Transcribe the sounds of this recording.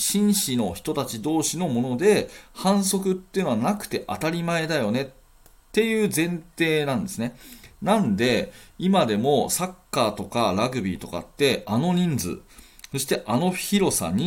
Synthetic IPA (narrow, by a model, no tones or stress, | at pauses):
ɕĩɰ̃ɕino̞çi̥t̪o̞t̪at͡ɕid̪o̞ːɕino̞mo̞no̞d̪e̞hãɰ̃so̞kɯ̟t̪ːeɯ̟noanakɯ̟̥t̪e̞ʔa̰t̪aɾʲimae̞d̪ajo̞ne̞ | t̪ːe̞jɯ̟ːzẽ̞nt̪e̞ːnãnd̪e̞sɨne̞nãnd̪e̞imad̪e̞mo̞sakːaːt̪o̞kaɾaɡɯ̟bʲḭːt̪o̞ka̰t̪ːe̞ano̞ɲ̟ĩnd͡zɨ̰ | so̞ɕi̥t̪e̞ʔano̞çiɾo̞sa̰ɲ̟i